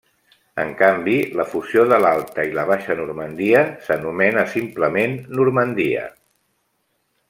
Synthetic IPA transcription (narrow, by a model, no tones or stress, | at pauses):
ə̰ŋkambiləfuzioðəlalˠt̪əiləβ̞aʃənuɾmənd̪iəsənumɛnəsimpləmenːuɾmənd̪iə̰